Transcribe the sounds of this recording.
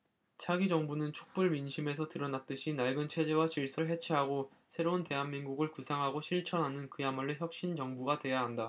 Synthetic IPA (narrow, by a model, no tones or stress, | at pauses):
t͡ɕʰaɡid͡ʑʌŋbunɯnt͡ɕʰo̥k̚p͈uɭminɕʰime̞s̬ʰʌtɯɾʌnat̚t͈ɯɕʰinaɭɡɯnt͡ɕʰe̞d͡ʑe̞wat͡ɕiɭs͈ʌɭɦe̞t͡ɕʰiɦaɡo | sʰe̞ɾounte̞ɦanmiŋɡuɡɯɭkusʰaŋɦaɡoɕʰiɭt͡ɕʰʌnɦanɯnkɯjamaɭːɯçjʌk̚ɕ͈int͡ɕʌŋbuɡadwe̞jaɦanda